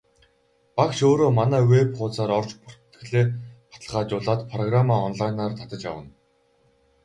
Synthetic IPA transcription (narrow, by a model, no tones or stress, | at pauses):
pakʃoːɾoːmanæːwepχʊːt͡saːɾɔrt͡ɕpʊr̥t̪ːɘ̆ɮeːpḁt̪ə̆ɮʁaːt͡ɕʊːɮaːt̪pʰrɔɣramaːɔnɮajnaːrt̪ʰḁt̪ə̆t͡ɕa̰wə̆n